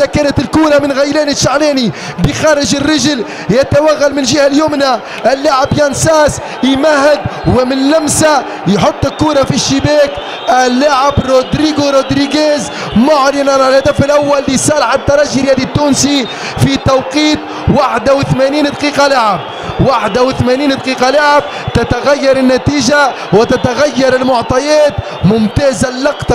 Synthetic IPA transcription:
akæːnat̪ɪlkuːɾamɪnɣajlæːniʃaʕlɛːni | bəxɑːɾˤɪʒɪrːɪʒl | jɪt̪awaɣːalmɪnʒiːhaljuːmna | ʔɪlːaʕɪbjansɑːs | jmahɪd̪wɪmɪnlamsa | jħot̪ˤːɪlkuːɾˤɑfiʃːɪbæːk | ɪlːaʕɪbɾod̪ɾiːɡuɾod̪ɾiɡeːz | mʊʕlɪnanalhad̪afɪlʔawːalːisˤɑːɾħat̪ːɑɾˤɑːʒiɾjæːd̪it̪ːuːnsi | fit̪ɑwqiːt̪ | waħd̪awɪθmæːniːnd̪qiːqɑlaʕɪb̚ | waħd̪awɪθmæniːnd̪qiːqɑlaʕɪb̚ | t̪ɪt̪aɣajːɑɾˤɪnːat̪iːʒa | wɪt̪at̪aɣajːɑɾˤɪlmʊʕt̪ˤɑjɛːt̪ | mʊmt̪ɛːzalːɑqt̪ˤ

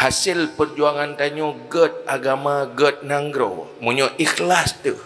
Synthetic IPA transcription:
hasɪlpərd͡ʒuaŋant̪aɲoɡət̪̚aɡamaɡət̪̚naŋɡɾo̰ | muɲɔʔixlast̪əh

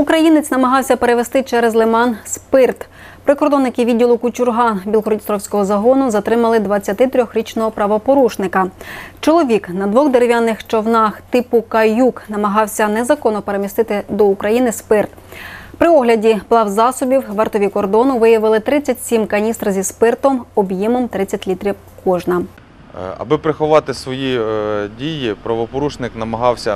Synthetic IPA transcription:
ukɾɐjinet͡sʲnɐmɐɦɑwsʲɐpeɾeʋest̪ɪt͡ʃɛɾɛzlˠɪmɑnspɪrt̪ | pɾɪkɔrd̪ɔnːɪkɪʋʲidʲːilˠʊkʊt͡ʃʲʊrɦɑbʲilˠɦɾɔdʲist̪ɾɔwsʲkɔɦɔzɐɦɔnʊzɐt̪ɾɪmɐlˠɪd̪ʋɐt͡sʲːɐt̪ɪt̪ɾʲɔxɾʲit͡ʃnɔɦɔpɾɐʋɔpɔɾuʃnɪkɐt͡ʃɔlˠɔʋʲiknɐd̪ʋɔɣd̪eɾeʋʲjanːɪxt͡ʃɔwnɑxt̪ɪpʊkɐjuknɐmɐɦɑwsʲɐnɛzɐkɔnːɔpeɾemʲist̪ɪt̪ɪd̪ɔukɾɐjinɪspɪrt̪ | pɾɪɔɦlʲɐdʲiplˠɑwzɑsɔbʲiwʋɐrt̪ɔʋʲikɔrd̪ɔnʊʋɪjɐʋɪlˠɪt̪ɾɪt͡sʲːɐtʲsʲimkɐnʲist̪rzʲispɪrt̪ɔmɔbjimɔmt̪ɾɪt͡sʲːɐtʲlʲit̪ɾʲiw | kɔʒnɐ | ɐ̰bɪpɾɪxʊʋɑt̪ɪsʋɔjidʲijipɾɐʋɔpɔɾuʃnɪknɐmɐɦɑwsʲɐ

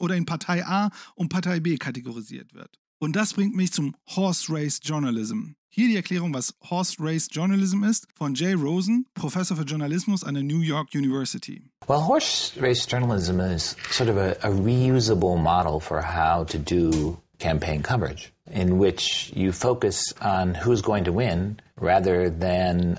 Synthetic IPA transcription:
ʔoːɾɐɪnpʰaɐtʰaɪʔaːʔʊnpʰaɐtʰaɪbeːkʰateɡoʁizḭːɐtv̥ɪ̰ɐt | ʔʊnt̚d̥asb̥ʁɪŋtmɪçt͡sʊmhɔsɹeɪsʒ̥ɔɐnalɪzm̩hiːɐɾiːɛɐkʰl̥ɛːʁ̞ʊŋvashɔsɹeɪsʒ̥ɔɐnalɪzm̩ɪstfɔnd͡ʒeɪʁoʊzn̩pʁ̥ofɛsoɐfyːɐʒʊɐnalɪsmʊsa̰ndeːɐnjuːjɔɐkjuːnivɜɐsɪtʰḭ | wɛlˠɦɔɹsɹeɪsd̥ʒ̥ɜ˞nl̩ˠɪzə̃mɪz̥sɔɹɾʌvɨʔəɹijʉzəbl̩ˠmɑɾl̩ˠfə̰˞haʊɾɨdəkʰæ̃mpʰẽɪ̃nkʰʌmə˞ɨ̰d͡ʒ | ɪ̃nwɪt͡ʃjɨfoʊkɨsn̩huzɡoʊɪ̃ŋtʰəwɪ̃nɹæðə˞ðɨ̃n

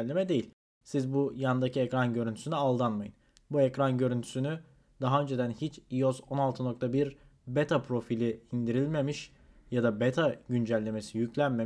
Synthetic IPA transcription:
lʲːe̞mɛd̪e̞jilʲ | sizbujand̪aciecɾanɟø̞ɾynt̪ʰy̥synyalˠd̪anmajɯn | buecɾanɟø̞ɾynt̪ʰy̥syny | d̪̥aɦaø̞nd͡ʒe̞d̪ænhit͡ʃio̞so̞nalˠt̪ʰɯno̞k̚t̪ʰabiɾ | bet̪ʰapʰɾo̞filʲiind̪iɾilʲme̞miʃ | jad̪abet̪ʰaɟynd͡ʒælʲːe̞me̞sijyclʲænme

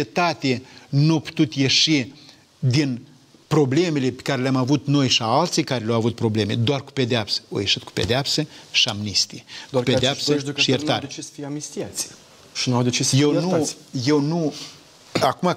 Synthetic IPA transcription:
et̪at̪enuapu̥t̪ut̪jeʃi | d̪in | pɾo̞ble̞melepe̥kaɾeleamavut̪no̞jʃiaalt̪sikaɾeleawavut̪̚pɾo̞ble̞med̪oarku̥ped̪eapsə̥o̰jeʃit̪̚ku̥ped̪eapsəʃiamnist̪iuped̪eapsəʃijert̪a̰ɾʲsamisʲt̪ias | ʃinawd̪et͡ʃisjewnu | jewnu | akuma

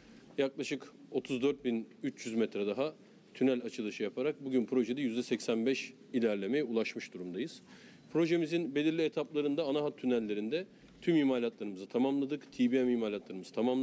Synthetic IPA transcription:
jaklˠaʃɯko̞t̪ʰuzd̪øɾt̪̚binyt͡ʃjyzmɛt̪ɾɛd̪aɦa | t̪ʰynælʲat͡ʃʰɯd̪ˠaʃɯjapʰaɾak̚buɟynpʰɾo̞ʒed̪ɛjyzd̪ɛsɛcsænbɛʃ | ilʲæɾlʲe̞me̞jɛulˠaʃmɯʃd̪uɾumd̪ajɯz̥ | pʰɾo̞ʒe̞mizinbe̞lʲiɾlʲiet̪ʰaplˠaɾɯnd̪aːnaɦat̪ʰːynælʲːe̞ɾind̪ɛ | t̪ʰymimaːlʲat̪lˠaɾɯmɯzɯt̪ʰamamlˠad̪ɯkt̪ʰibiamiːmaːlʲat̪lˠaɾɯmɯz̥ɯ̥t̪ʰamamˠ

